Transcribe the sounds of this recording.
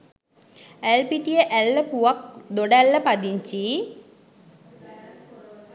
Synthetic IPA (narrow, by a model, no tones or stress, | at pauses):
elpiʈijeʔelːəpuʋɐk̚d̪oɖælːəpad̪iɲt͡ɕi